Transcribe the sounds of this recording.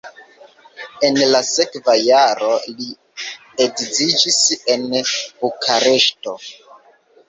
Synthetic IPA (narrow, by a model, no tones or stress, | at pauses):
e̞nlase̞kvajaɾo̞li | edzid͡ʒise̞nb̥ukʰaɾe̞ʃto̞